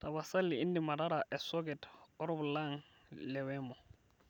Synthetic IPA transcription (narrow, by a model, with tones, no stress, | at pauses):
ta˨βa˨sa˦lɪ˨i˦ndi˨ma˨ɾaɾaʔɛ˨sɔ˦ɡɛ˨tɔ˦ɾɔ˦blaŋ | lɛ˨wɛmɔ˨